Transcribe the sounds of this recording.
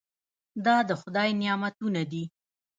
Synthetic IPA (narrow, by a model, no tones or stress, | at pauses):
d̪ɑd̪əxʊd̪ɑjnɪjɑmat̪unad̪i